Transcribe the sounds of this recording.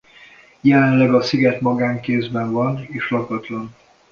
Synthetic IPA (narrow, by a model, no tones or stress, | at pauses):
jɛlɛnlɛɡɒsiɡɛt̪mɒɡaːŋkeːzbɛɱvɒneːʃlɒkɒt̪lɒn